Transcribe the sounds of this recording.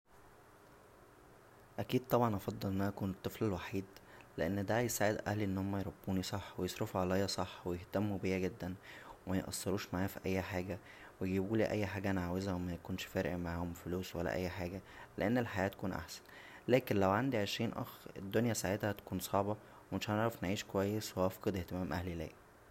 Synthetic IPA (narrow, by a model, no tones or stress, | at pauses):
ʔækiːd̪̚t̪ˤɑbʕɑnʔɑfɑd̪ˤːɑlʔenːænkuːnet̪ˤːɨflelwaħiːd̪leʔenːd̪æjesaːʕed̪ʔæhliʔenːohomːæjeɾˤɑbːuːnisˤɑħːwejesˤɾefuʕalæjɑsˤɑħːwejeht̪æmːubejːæɡed̪ːænwemæjeʔɑ̰sˤːɑɾuːʃmaʕaːfiʔæjːħaːɡæ | weɡibuːliːʔæjːħaːɡæʔænʕaːwezæwemækonʃfæːɾḛʔmaʕhomfoluːswælːæ̰ʔæ̰jːħaːɡæleʔenːelħajæːt̪æ̥kuːnʔa̰ħsæ̥n | læːkenlæwʕand̪iʕeʃɾiːnʔæ̰xɾɾed̪ːonjæsaʕet̪hæt̪æ̥kuːnsˤɑʕbɑ | wemeʃhæneʕɾɑfnʕiːʃkowæjːesweʔɑfqed̪eht̪emæːmʔæhlilæ̰ːʔ